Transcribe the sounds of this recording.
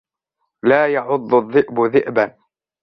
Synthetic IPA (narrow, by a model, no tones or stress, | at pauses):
laːjɑʕʊd̪ˤːʊðˤːɪʔbʊðɪʔban